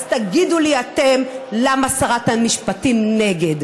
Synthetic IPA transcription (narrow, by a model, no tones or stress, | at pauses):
azt̪aɡid̪uliat̪e̞mlamasaʁat̪hamiʃpatimne̞ɡe̞d